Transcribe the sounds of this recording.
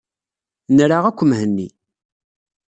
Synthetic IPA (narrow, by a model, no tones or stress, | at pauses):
nɾaʁækʷːəmɦənːi